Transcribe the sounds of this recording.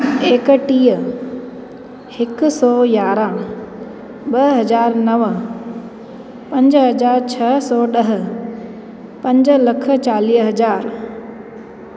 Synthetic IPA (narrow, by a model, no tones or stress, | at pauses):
eːkʈiːə | ɪksɔːjaːɾãː | ɓɐɦɐzaːɾnɐʋ | pɐ̃ɲd͡ʑɦɐd͡ʑaːɾt͡ɕʰɐsɔːɗɐɦə̆ | pɐ̃ɲd͡ʑəlɐkʰə̆t͡ɕaːliːɦɐd͡ʑaːɾ